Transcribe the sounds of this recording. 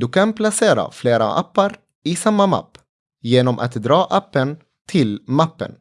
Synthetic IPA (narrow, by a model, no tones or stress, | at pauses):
d̪ɵkʰanpʰlaseːɾa̰fleːɾa̰ʔa̰pːaɾ | ɪsamːama̰pː | jeːnɔmʔa̰t̪d̪ɾɑːʔapːən | t̪ʰɪlmapːə̰n